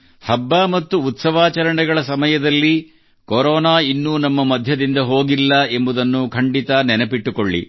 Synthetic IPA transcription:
hɐbːaːmɐt̪ːuːt̪sɐʋaːt͡ʃɐɾɐɳɛɡɐɭɐsɐmɐjɐd̪ɐlːi | koɾɔːnaːinːuːnɐmːɐmɐd̪ʱjɐd̪ind̪ɐɦo̞ːɡilːɐe̞mbud̪ɐnːukʰɐɳɖit̪ɐnɛnɐpiʈːukoɭːḭ

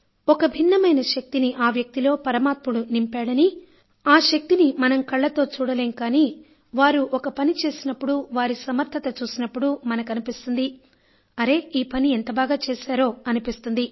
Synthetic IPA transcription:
ɔkɐbʱinːɐmɐjnɐʃɐk̚t̪iniʔaːʋjɐk̚t̪ilo̞ːpɐɾɐmaːt̪muɽunimpaːɽɐni | aːʃɐk̚t̪inimɐnɐmkɐɭːɐt̪o̞ːt͡ʃuːɽɐleːŋkaːniː | ʋaːɾuʔɔkɐpɐnit͡ʃe̞ːsinɐpːuɽuʋaːɾisɐmɐɾt̪ʰːɐt̪ɐt͡ʃuːsinɐpːuɽumɐnɐkɐnipist̪und̪i | ɐɾe̞iːpɐnient̪ɐbaːɡaːt͡ʃeːsaːɾo̞ːɐnipist̪und̪i

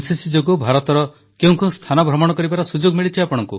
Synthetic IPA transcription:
sisid͡ʒoɡɔbʱaɾɔt̪ɔɾɔ | keũŋkeũst̪ʰanɔbʱɾɔmɔɽ̃ɔkɔɾibaɾasud͡ʒoɡmiɭit͡ʃʰiapɔɽɔŋku

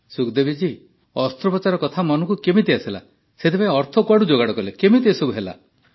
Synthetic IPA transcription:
sukd̪ebid͡ʒi | ɔst̪ɾɔpɔt͡ʃaɾɔkɔt̪ʰamɔnɔŋkukemit̪iasila̰ | set̪ʰepaĩɔɾt̪ʰɔkwaɽud͡ʒoɡaɽɔkɔlekemit̪̬isɔbuɦela̰

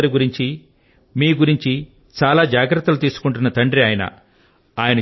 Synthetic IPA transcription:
ɐɾiɡuɾiɲt͡ʃi | miːɡuɾiɲt͡ʃi | t͡ʃaːlaːd͡ʒaːɡɾɐt̪ːɐlut̪iːsu̥kuɳʈunːɐt̪ɐɳɖɾiaːjɐnɐ̰ | aːjɐnɐ

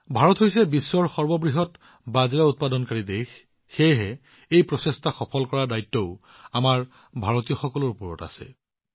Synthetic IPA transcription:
bʱaɹɔtɦojsɛbisːɔɹxɔɹbɔbɹiɦɔt | bazɹaut̚padɔnkaɹidexː | ejɦɛ | ejpɹɔsestʰaxɔpʰɔlkɔɹadajtːɔʊ | amaɹ | bʱaɹɔtijɔxɔkɔlɔɹupɔɹɔ̰ta̰sɛ̰

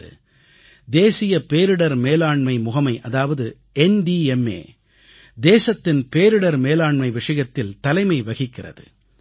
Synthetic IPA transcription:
ɯ̰ | d̪eːsɪjɐpeːɾɯɽɐɾmeːlaːɳmɐɪmʊɣɐmɐɪʔɐðaːʋɐðɯ | ɛnɖiːɛmḛː | d̪eːsɐt̪ːɪnpeːɾɯɽɐɾmeːlaːɳmɐɪʋɪʂɐjɐt̪ːɪlt̪ɐlɐɪmɐɪʋɐɣɪkːɪrɐ̰ðɯ̰

